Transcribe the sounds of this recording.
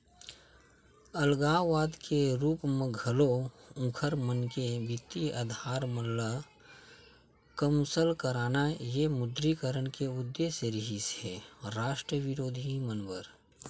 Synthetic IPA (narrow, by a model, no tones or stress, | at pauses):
əlɡaːʋaːd̪kʰeɾuːpmẽɡʱəloũkʰəɾmənkebɪt̪iəd̪ʱaːɾməlla | kəmsəlkəɾaːnajemʊd̪ɾikəɾəɽkeʊd̪ːeːʃeɾɪɦisɦeɾaːʃʈɾəʋɪɾoːd̪ʱimənbəɾ